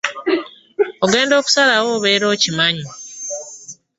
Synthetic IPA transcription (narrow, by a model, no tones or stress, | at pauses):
o̞ɡe̞ːndo̞ːku̥salawo̞ːβe̞ːɾo̞ːcimaɲu